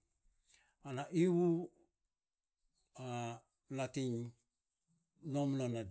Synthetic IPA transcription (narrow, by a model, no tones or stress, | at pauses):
anaʔiwu | a | latiɲ | nomnanad